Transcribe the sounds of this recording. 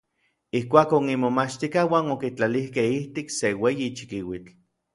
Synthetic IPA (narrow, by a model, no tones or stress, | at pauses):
ihkʷaːkoŋimomat͡ʃt̪ikawaːnokit͡ɬalihkehiht̪ikseweːjit͡ʃi̥kiwit͡ɬ